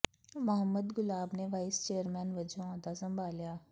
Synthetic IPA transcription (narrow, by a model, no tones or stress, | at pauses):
məɦəmːəd̪ɡʊlaːbneʋaːɪst͡ʃeːəɾmɛːnʋəd͡ʒõãːd̪azəmbaːljaː